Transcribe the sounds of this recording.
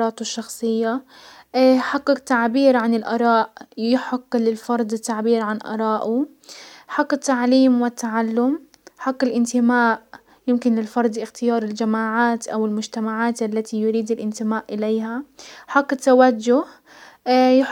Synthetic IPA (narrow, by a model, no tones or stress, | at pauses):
ɑːt̪ɪʃːɑxsˤɨjːa | ħaqːɪqt̪aʕbiːɾʕanɪlʔɑ̰ɾˤɑːʔjjɪħaqːlɪlfɑɾˤd̪ˤɪt̪ːaʕbiːɾʕanʔɑ̰ɾˤɑːʔʊ | ħɑqːɪt̪ːaʕliːmwɪt̪ːaʕalːʊm | ħaqːɪlʔɪnt̪ɪmaːʔ | jɪmkɪnlɪlfɑɾˤd̪ˤɪxt̪ɪjɑːɾˤɪld͡ʒamaːʕaːt̪ʔawɪlmʊd͡ʒt̪amaʕaːt̪ʔalːat̪ʰijʊɾiːd̪ɪlʔɪnt̪ɪmaːʔʔɪleːɦaħaqːɪt̪ːawad͡ʒːʊh | j